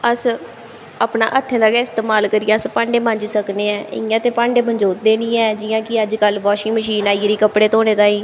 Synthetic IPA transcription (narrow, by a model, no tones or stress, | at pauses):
əs | aːpna̰ːʔət̪ʰːẽːd̪aːkɛːɪst̪eːmaːlkəɾijaːəspãːɳɖeːmə̃ɲd͡ʒsəkneːɛːɪ̰jãːt̪eːpãːɳɖeːbəɲd͡ʒoːt̪̚d̪eːnĩːɛːd͡ʒɪjãːkɪəd͡ʒkəlʋɔːʃĩːməʃiːnaːiːɾiːkəpɽeːt̪oːneːt̪ãːĩː